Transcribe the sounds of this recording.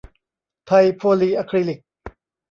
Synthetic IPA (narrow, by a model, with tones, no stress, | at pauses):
t̪ʰa˧jpʰoː˧liː˧ʔa˧˥kʰɾi˧li˨˩k̚